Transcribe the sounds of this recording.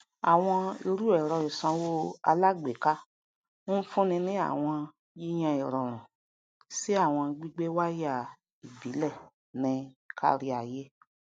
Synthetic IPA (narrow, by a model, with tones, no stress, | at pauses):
a̰˨w̃ɔ̃˧i˧ɾu˦ɛ˨ɾ̃ɔ˨i˨sã˧wo˦a˧la˦ɡ͡be˨ka˦ | o˦n̩˦fũ˦nĩ˧nĩ˦a̰˦˨w̃ɔ̃˧ | ji˦j̃ã˧i˨ɾɔ˨ɾ̃ã˨ | si˦a˦˨w̃ɔ̃˧ɡ͡bi˦ɡ͡be˦wa˦ja˦˨ | i˨bi˨˦lɛ˦˨ | nɛ̃˧kʰa̰˧ɾi˧a˨je˦